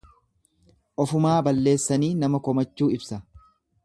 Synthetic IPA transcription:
ʔɔfʊmaːbɐlːe̞ːsːɐniːnɐmɐkɔmɐt͡ʃːuːɪbsɐ

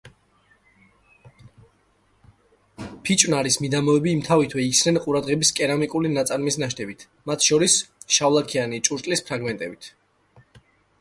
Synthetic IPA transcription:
pʰit͡ʃʼwnaɾismid̪amɔɛbiːmt̪ʰavit̪ʰwɛikʰsnɛnqʼuɾad̪ʁɛbiskʼɛɾamikʼulinat̪sʼaɾmisnaʃ̬t̪ʰɛbit̪ʰ | mat̪ʰʃɔɾisʃavlˠakʰianit͡ʃʼuɾt̪ʼlispʰɾaɡmɛnt̪ʼɛbit̪ʰ

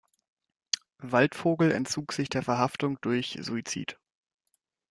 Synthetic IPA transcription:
valtfoːɡl̩ɛ̰ntt͡suːkz̥ɪçd̥eːɐfɛɐɦaftʊŋd̥ʊɐçz̥ṵit͡sḭːt

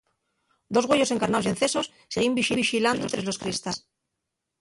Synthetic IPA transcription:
d̪o̞zɣweʝo̞seŋkaɾnaosie̞nθe̞so̞sːeɣimbiʃiβiʃiland̪ot̪ɾe̞zlo̞skɾist̪as

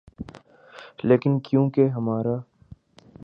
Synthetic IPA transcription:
leːkɪnkjũːkeɦɐmaːɾaː

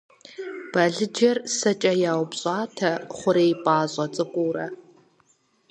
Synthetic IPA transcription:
b̥ɐɮɨd͡ʒɐrsɐt͡ʃʼɐjaːwpɕʼɑːtʰɐχʷʊɾeːjpʼaːɕʼɐt͡sʼɨkʷʼuːɾɐ

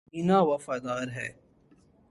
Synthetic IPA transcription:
ɪnãːʋɐfaːd̪aːɾɦɛː

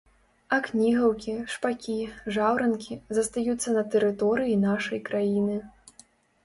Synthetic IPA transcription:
ɐknʲiɣɐwkʲiʂpakʲiʐawɾɐnkʲizɐst̪ajut̪sːɐnɐt̪ɛɾɨt̪ɔɾɨjinaʂɐjkɾajinɨ

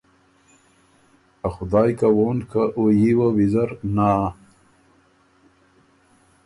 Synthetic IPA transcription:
axʊd̪ɑːjkawoːnkaʔojiwawizaɾnaː

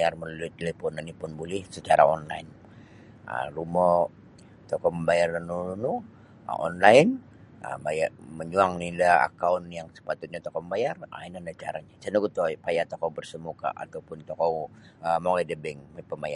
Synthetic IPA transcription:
jarməlulut̪elepɔnanipʊnbulɛhsət͡ʃaɾa̰ɔnla̰in | ə̰lumɔ | t̪ɔkɔməmbajarnanununu | ə̰ʔɔnlaɪn | ə̰bajaməɲuaŋnilaa̰kaunjaŋsə̥pat̪ʊt̪̚ɲat̪ɔkɔməmbajara̰inandat͡ʃa̰ɾaɲasanuɡut̪ɔpajat̪ɔkɔwbərsəmuka̰ʔa̰t̪awpʊnt̪ɔkɔw | əmoŋajdəbɛŋpəmaja

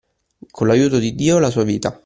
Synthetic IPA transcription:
kʰonlːajuːt̪od̪id̪ːiːolas̬uːaviːt̪a

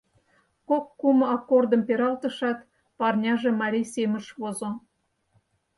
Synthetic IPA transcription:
kokːumɑkord̪ə̆mpeɾɑlt̪ə̆ʃɑt̪ | pɑrnʲɑʒemɑɾʲijsemə̆ʃβozo

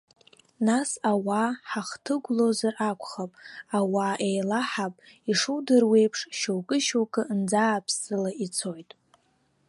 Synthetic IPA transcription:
nasawaħaχtʰɨɡʷlo̞zarʔakʷʰʼχapʼawaʔejlaħapʼiʂudɨrwe̞jpʰʂʃowkʼɨʃowkʼɨnd͡zaːpʰsɨlait͡sʰo̞jtʼ

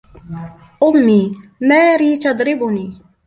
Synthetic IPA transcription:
ʔʊmːiːmaːɾiːt̪ɑd̪ˤɾɪbʊniː

